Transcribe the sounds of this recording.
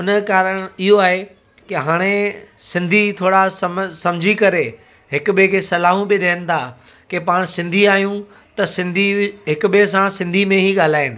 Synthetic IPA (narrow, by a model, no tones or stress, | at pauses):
ɦʊnəkaːɾəɽ̃ɪɦoaːɦe | kɪɦaːɽ̃esɪ̃nd̪ʱit̪ʰoːɽasɐmsɐmd͡ʑʱikɐɾe | ɦɪkʊɓekʰesɐlaːɦũbɪɗeːənɪ̆t̪ʰaː | kepaːɽ̃sɪ̃nd̪ʱiaːɦijũ | t̪ɐsɪ̃nd̪ʱiɦɪkʊɓes̬ãsɪ̃nd̪ʱimẽɦiɡaːl̤aːɪnɪ̆